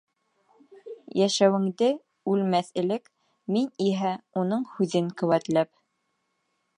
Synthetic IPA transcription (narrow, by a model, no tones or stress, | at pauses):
jæʃæwɘ̆ŋd̪ɘ | ʉlmæθɘ̆lɘk | miniɦæunɤɴhʉðɘŋkɘ̆wæt̪læp̚